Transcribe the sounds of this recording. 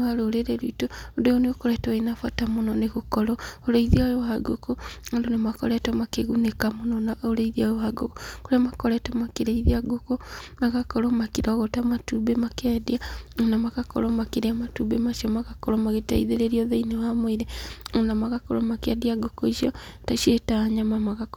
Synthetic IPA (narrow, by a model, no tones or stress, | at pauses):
aɾoɾeɾeɾuitoondojoneɣokɔɾɛtɔinafwatamonɔneɣokɔɾɔoɾeiðiajowaɡokoondonemakɔ̰ɾɛtɔmakeɣunekamonɔnaoɾeiðiajoaɡokokoɾeamakɔɾɛtɔmakeɾeiðiaɡokomaɣakɔɾɔmakiɾaɣotamatubemakɛdiaonamaɣakɔ̰ɾɔmakeɾeamatubemaʃiɔmaɣakɔɾɔmaɣeta̰ḭðeɾeɾiɔðeinewamwiɾeonamaɣakɔɾɔmakeadiaɡokoiʃiɔtaʃiɾetaɲamamaɣak